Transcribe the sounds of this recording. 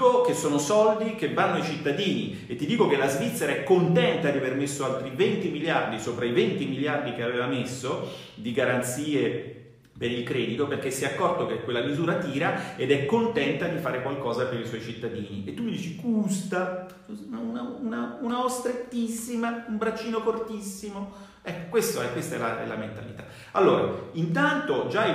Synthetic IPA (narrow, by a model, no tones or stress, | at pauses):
okesːoːnosɔld̪ikevːanːoaijt͡ʃit̪ːad̪iːni | et̪ːid̪iːkokelːazvit̪sːeɾaɛkːont̪ɛnt̪ad̪iavermesːoalt̪ɾivent̪imiljard̪isoːpɾaivent̪imiljard̪ikeaveːvamesːo | d̪iɡaɾant̪siːe | peɾilkɾɛːd̪it̪operk̟esːɛakːɔrt̪okekwelːamizuːɾat̪iːɾaed̪ɛkːont̪ɛnt̪ad̪ifaːɾekwalkɔːzapeɾiswɔjt͡ʃit̪ːad̪iːniʔet̪ːuid̪iːt͡ʃikust̪a | unaunaunaost̪ɾet̪ːisːimaumbɾat͡ʃːiːnofort̪isːimo | ɛkːo̥kwest̪oɛkwest̪aɛlaɛ̰lament̪a̰lit̪ḁ | alːoːɾa̰int̪ant̪od͡ʒai